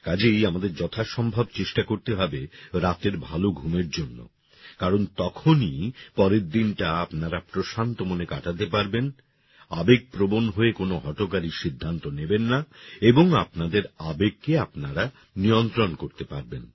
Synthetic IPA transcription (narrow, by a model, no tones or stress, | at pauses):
kad͡ʑejamad̪eɾd͡ʑɔt̪ʰaʃɔmbʱab̚t͡ɕeʃʈakoɾt̪eɦabeɾat̪eɾbʱaloɡʱumeɾd͡ʑonːo̰ | kaɾont̪ɔkʰonipɔɾeɾd̪inʈaapnaɾapɾoʃant̪omonekaʈat̪̬epaɾben | a̰beɡ̚pɾobonɦoekonoɦɔʈokaɾiʃid̪ʱːant̪onebenːaeboŋapnad̪eɾabeɡ̚keapnaɾa | nijont̪ɾonkoɾt̪epaɾben